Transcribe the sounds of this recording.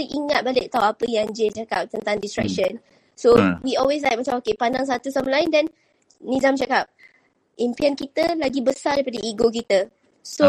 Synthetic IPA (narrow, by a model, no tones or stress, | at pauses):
əʔiŋat̪̚balɪk̚t̪awapəjaŋd͡ʒet͡ʃakap̚t̪ənt̪aŋdistɾɛ̰k̚ʃən | sowiɔlwes̬laj̚mat͡ʃamokepandaŋs̬at̪usamlaɪndɛnː | izamt͡ʃakap̚ | ʔimpiankit̪əlaɡibəsadajpadəʔiɡok̬it̪ə | so